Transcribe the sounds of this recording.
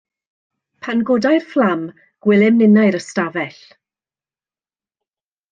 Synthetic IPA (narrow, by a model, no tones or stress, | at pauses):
pʰanɡodajrflˠam | ɡ̥wɪlˠɛmnɪnajɾəstavɛɬ